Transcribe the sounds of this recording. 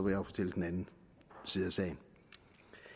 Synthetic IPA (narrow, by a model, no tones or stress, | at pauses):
ɒʋejɑfɒt͡sʰel̰d̥en̩ænn̩ | siːðˠɐsɛ̰ɪn